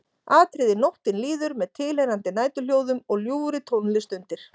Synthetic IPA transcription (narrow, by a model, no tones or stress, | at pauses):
aːt̪ʰɾɪðɪnowht̪ɪnliːðʏɾmɛðt̪ʰɪlejɾant̪ɪnaːjt̪ʏl̥joːwðʏmɔɣljuːɾɪt̪ʰownlɪst̪ʏnt̪ɪɾ̥